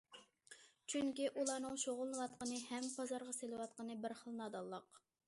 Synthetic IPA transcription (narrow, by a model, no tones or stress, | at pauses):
t͡ʃʰyŋkʲiʔulˠɑnɨŋʃoʁʊlˠnɨwɑt̪̚qənɨhɛmpʰɑzɑɾʁɑselɨwɑt̪̚qənɨbɪɾχəlˠnɑd̪ɑlˠːəq